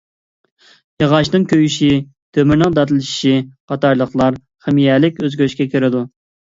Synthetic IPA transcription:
jɑʁɑʃnɨnkʲʰøjyʃi | t̪ʰømyɾnɨŋd̪ɑt̪ɨlˠʃʃiqʰɑt̪ɑɾlˠəχlˠɑɾ | χɪmijɛlɪkʲøzɡʲøʃkʲɛkʲʰeɾɪd̪u

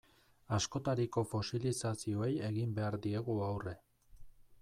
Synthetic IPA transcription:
asko̞t̪aɾiko̞fo̞silisasio̞e̞je̞ɣimbe̞aɾd̪ie̞ɣuawre̞

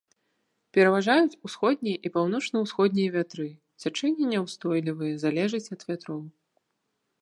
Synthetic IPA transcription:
pʲɛɾɐvaʐajut͡sʲusxɔd̪̚ʲnʲijɐʔipawn̪ɔt͡ʂnɐwsxɔd̪ʲnʲijɐvʲat̪ɾɨ | t͡sʲat͡ʂɛnʲːɛnʲɛwst̪ɔjlʲivɨjɐzalʲɛʐɨt͡sʲɐd̪vʲat̪ɾɔw

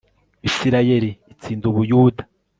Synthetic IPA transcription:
isiɾaje̞ɾiːt͡siːnduβujuːdḁ

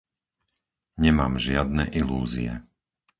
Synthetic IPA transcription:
ɲɛmaːmʒɪad̪̚nɛʔilṵːzḭɛ̰

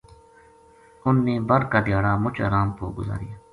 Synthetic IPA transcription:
ʊnːeːbəɾkaɖɪjaːɽaːmʊt͡ʃa̰ːɾaːmpoːɡʊza̰ːɾijaː

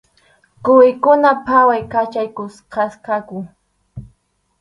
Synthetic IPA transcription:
kʊɪkʊnapʰawajkat͡ʃajkʊsqɑskakʊ

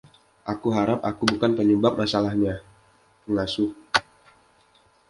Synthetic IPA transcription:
ʔakuɦaɾapakubukanpəɲəbap̚masalahɲa | pəŋasʊk

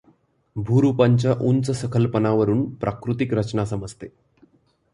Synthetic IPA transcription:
bʱuːɾupaɲt͡ɕjaʔunt͡səsəkʰəlpənaʋəɾuːnpɾʔakɾut̪ikɾət͡ɕnasəməd͡zt̪e

